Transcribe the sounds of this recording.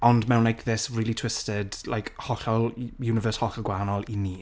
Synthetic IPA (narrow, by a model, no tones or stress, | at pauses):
ɔndmɛwnajkðɪsriːlˠitʰw̥ɪstɪdlʔa̰jkhɔχɔlˠjunɪvəːshɔχɔɡwaːnɔlˠiniː